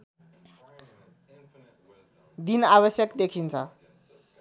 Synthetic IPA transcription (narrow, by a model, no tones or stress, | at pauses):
d̪inaβʌsjʌkd̪ekʰint͡sʰʌ